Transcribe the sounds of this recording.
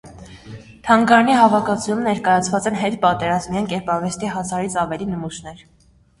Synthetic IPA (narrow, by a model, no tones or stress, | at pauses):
t̪ʰɑŋɡɑɾɑniɦɑvɑkʰɑt͡sʰujumnɛɾkɑjɑt͡sʰvɑt͡sɛnɦɛt̪pɑt̪ɛɾɑzmijɑŋkɛɾpɑɾvɛst̪iɦɑsʰɑɾit͡sʰɑvɛlinəmuʃnɛɾ